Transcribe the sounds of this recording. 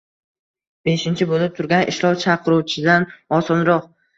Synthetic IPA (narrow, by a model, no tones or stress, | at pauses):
b̥eʃɪnt͡ʃʰɪbolɪp̚t̪ʰʊɾɡʲanɪʃlˠɒwt͡ʃʰaqʰɨɾuwt͡ʃʰɪd̪anɒsɒnɾɒq